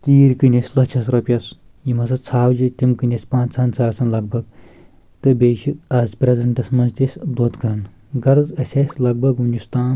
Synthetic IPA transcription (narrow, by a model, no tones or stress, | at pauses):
t̪iːɾkɨnʲesʲlɐt͡ʃʰɐsɾɐpʲɐs | jimɐsɐt͡sʰaːwd͡ʒit̪ʲimkɨnʲesʲpãːnt͡sʰɐnt͡sʰaːɾsɐnlɐɡ̚bʱɐɡ | t̪ɨbʲeːʃiaːzpʲɾʲezɐɳʈɐsmɐnzt̪isʲd̪ot̪kɐɾɐn | ɡɐɾzɐsʲesʲlɐɡ̚bɐɡunʲd͡ʒist̪aːn